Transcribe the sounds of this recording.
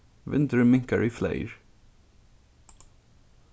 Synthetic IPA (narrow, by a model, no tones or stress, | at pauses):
vɪ̰̃nt̪əɹmɪŋkəɹiflḛɪɹ